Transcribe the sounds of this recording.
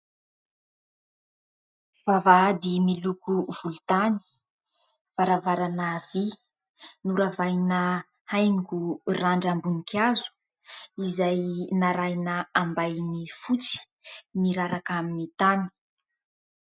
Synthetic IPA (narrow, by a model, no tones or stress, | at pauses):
v̥avaad̪imilukuv̥ulut̪ani̥ | v̥aɾavaɾanav̥i | nuɾavajnə | hajŋkuraɳɖ͡ʐambunikazu̥ | izajnaɾajnaambajnifut͡si̥ | niɾaɾakaminit̪ani̥